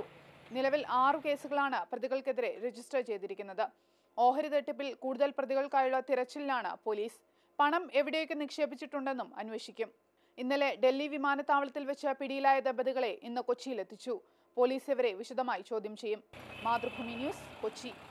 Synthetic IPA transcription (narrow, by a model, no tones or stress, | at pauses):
nilɐʋilʔaːrɨke̞ːsuɣɐɭaːɳɨprɐðiɣɐɭkeðiɾe̞ɾe̞d͡ʑisʈɐrt͡ɕe̞jt̪iɾikʲːunːɐðɨ | o̞ːɦɐɾiðeʈːɐp̬ːilkuːɽuðɐlprɐðiɣɐɭkaːjuɭːɐt̪iɾɐt͡ɕːililaːɳɨ̰po̞ːliːs | pɐɳɐme̞ʋiɽejokʲːɨnikʂe̞ːbit͡ɕːiʈːuɳɖe̞nːumɐ̰nweːʂikʲːum | inːile̞ɖe̞lːiʋimaːnɐt̪ːaːʋɐɭɐt̪ːilʋɐt͡ɕːɐpiɽijilaːjɐðebɐðiɣɐɭe̞ʔinːɨko̞t͡ɕːijile̞t̪ʰːit͡ɕːu | po̞ːliːseʋɐɾe̞ʋiɕɐd̪ʱɐmaːjit͡ɕoːd̪ʱjɐmt͡ɕe̞jːumːaːd̪rɐbʱuːminjuːsko̞t͡ɕːi